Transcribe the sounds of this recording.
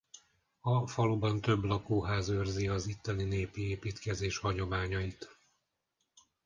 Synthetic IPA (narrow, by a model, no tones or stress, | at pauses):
ɒfɒlubɒnt̪ø̞blɒkoːɦaːzørziɒzit̪ːɛlineːpieːpiːt̪kɛzeːʃhɒɲo̞maːɲɒit̪